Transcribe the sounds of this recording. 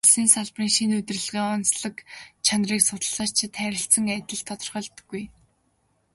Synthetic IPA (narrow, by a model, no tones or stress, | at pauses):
ɮsiːnsaɮpriːŋʃinɵt̪rɘ̆ɮʁiːɔnsɮə̆kt͡ɕʰanriːksʊt̪ə̆ɮ̥aːt͡ɕt͡ɕʰɪt̪ʰæːɾʲɪ̆ɬt͡sə̆ŋæt̪ʲɪ̆ɮt̪ʰɔt̪ɞ̆rχœːɮt̪ə̥̆ɡ̥ːuj